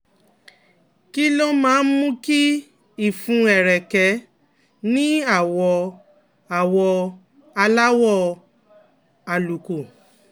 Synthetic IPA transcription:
ki˦lo˦mãː˨˦n̩˦mũ˦ki˦ | i˦˨fũ˨˦ɛ˨ɾɛ˨kɛ˧˦ | nĩ˦a˦˨wɔ˧ | a˨wɔ˧ | a˧la˦wɔ˦˨ | a˨lu˨ku˨

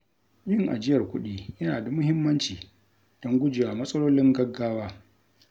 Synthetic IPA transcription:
jɪ˦˨ŋʔa̰˨d͡ʒɪ˦jɐ˨rkʷʊ˦ɗiː˦jɐ˦naː˨da˨mʊ˦hɪ˦mːɐ˦nt͡ʃiː˨ | d̥ɔ˦ŋɡʷʊ˦d͡ʒeː˨waː˨mɐ˦sʼɐ˦loː˦lɪ˦ŋɡɐ˦ɡːaː˦waː˦

